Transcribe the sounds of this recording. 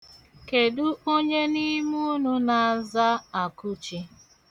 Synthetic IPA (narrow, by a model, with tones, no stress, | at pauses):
ke˨du˦o˦ɲe˦ni˦mu˦nʊ˦na˨a˨za˦a˨kʊ˦t͡ʃi˦